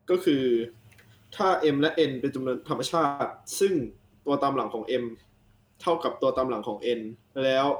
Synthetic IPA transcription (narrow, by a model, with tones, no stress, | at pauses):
kɔː˥˩kʰɯː˧ | t̪ʰaː˥˩ʔe˧mlɛ˦˥ʔe˧npe˧nt͡ɕa˧mnu˧ənt̪ʰa˧mːa˧t͡ɕʰaː˥˩t̪̚sɯ˥˩ŋ | t̪u˧ɐt̪aː˧mla˩˦ŋkʰɔː˩˦ŋʔe˧m | t̪ʰa˥˩wka˨˩p̚t̪u˧ɐt̪aː˧mla˩˦ŋkʰɔː˩˦ŋʔe˧nlɛː˦˥w